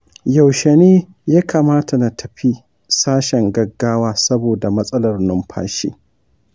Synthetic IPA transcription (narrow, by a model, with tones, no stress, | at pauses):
ja˨wʃe˨neː˦ | jaː˦kʰa˨maː˦tʰa˨na˨tʰɐ˨ɸi˦ | saː˦ʃɛ˨ŋɡɐ˨ɡːaː˦waː˦sɐ˦boː˨da˨mɐ˦sʼɐ˦lɐ˨rnʊ˦mɸʰa̰ː˦ʃḭː˦